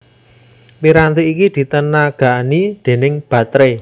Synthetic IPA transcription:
piɾant̪eikid̪̥i̤t̪ənaɡ̥a̤ʔnid̪̥e̤nɪŋb̥ä̤t̪ɾe

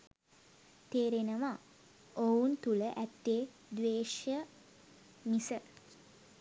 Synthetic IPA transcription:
t̪eːɾenəʋa | ount̪uləʔæt̪ːe | d̪ʋeːʃjə | misə

